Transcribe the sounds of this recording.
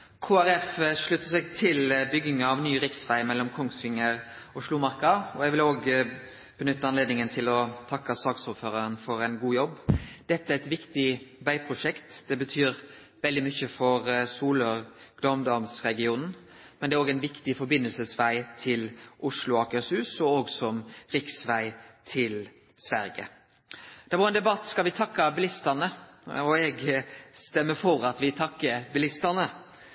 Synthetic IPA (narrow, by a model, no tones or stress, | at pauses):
kʰuːæɾɛfʂɭʉt̪ːəsɛɡt̪ʰɪlbʏɡːɪŋɑʋnyːɾɪksʋæɪmɛlːɔmkʰɔŋsʋɪŋːəɾ | ɔʂluːmɑɾkɑɔɛɡʋɪloːɡ | b̥ənʏt̪ːəɑnleːd̪nɪŋənt̪ʰɪlɔt̪ʰɑkːɑsɑːɡsʊːɾføːɾɑɾənfɔɾæɪnɡuːjɔbːd̪̥ɛt̪ːəæɾɛt̪ʋɪkt̪ɪʋæɪpʰɾʊʂɛkt̪d̪̥ɛbət̪ʰyːɾ | ʋɛld̪ɪmʏçəfɔɾsuːləɾ | ɡ̥lɔmd̪ɔmsɾɛɡɪuːnn̩ | mɛnd̪ɛæɾoːɡæɪnʋɪkt̪ɪfɔɾbɪnːəlsəsʋæɪt̪ʰɪlʔʊʂlʊɑːkəsʉːsɔoːɡsɔmɾɪksʋæɪt̪ʰɪl | sʋæɾɡə̰ | d̪̥ɛʋɑːɾɛnd̪ɛbɑt̪ːskɑlʋɪt̪ʰɑkːɑbɪlɪst̪ənəɔɛɡst̪ɛmːəfɔɾɑt̪ʋɪt̪ʰɑkːəbɪlɪst̪ənə